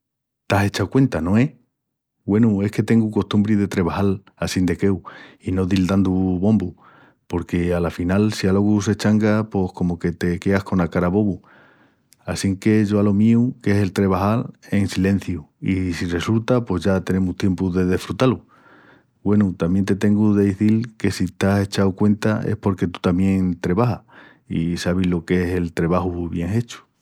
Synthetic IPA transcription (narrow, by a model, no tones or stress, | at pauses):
t̪ase̞t͡ʃakwe̞nt̪anõ̞e̞ | we̞nue̞hke̞t̪e̞ŋɡuko̞st̪umbɾiðe̞t̪ɾe̞β̞ahal | asind̪e̞ke̞wino̞ðild̪and̪uβo̞mbu | po̞ɾke̞alafinalsialo̞ɣus̬e̞t͡ʃaŋɡapo̞hko̞moke̞t̪e̞ke̞ahko̞nakaɾaβo̞βu | asiŋke̞ʝo̞alo̞miuke̞se̞lt̪ɾe̞β̞ahaɾe̞ŋsilẽ̞n̟θjuisire̞sult̪apwe̞zʝat̪e̞ne̞muht̪je̞mpuðe̞ðe̞fɾut̪alu | bwe̞nut̪amje̞nt̪e̞t̪e̞ŋɡuðe̞ðeθilke̞sit̪ase̞t͡ʃawkwe̞nt̪aḛhpo̞ɾke̞t̪u̥t̪amjẽ̞ŋt̪ɾe̞βaha | ḭsaβ̞ilo̞ke̞se̞lt̪ɾe̞βahuβje̞ŋe̞t͡ʃu̥